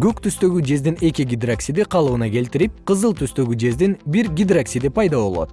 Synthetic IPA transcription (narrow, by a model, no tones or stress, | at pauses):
ɡ̥økt̪ʰyst̪ø̞ɡyd͡ʒe̞zd̪ine̞kʲiɡʲid̪raksʲid̪iqʰɑlˠɯɯnɑkʲʰe̞lt̪ɪɾip̚qʰəzɯlˠt̪ʰyst̪ø̞ɡʲyd͡ʒe̞zd̪inbiɾɡʲid̪raksʲid̪ipʰɑjd̪ɑβo̞̰lˠo̞̰t̪